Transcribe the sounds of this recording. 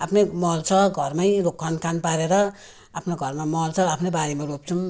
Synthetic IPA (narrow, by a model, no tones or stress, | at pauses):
apʰnemʌlt͡sʰʌɡʱʌrmajɾokʰːʌnkanpaɾeɾʌ | apʰnoɡʱʌrmamʌlt͡sʰʌapʰnebaɾimaɾop̚t͡sʰum